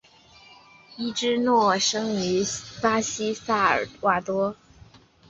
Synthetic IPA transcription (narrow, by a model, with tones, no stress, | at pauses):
i˥˩ʈ͡ʂɻ̩˥nwɔ˥˩ʂɤ˥ŋy˧˥pa˥ɕi˥sa˥˩ə̰˞˨˩wa˥˩t̪wɔ˥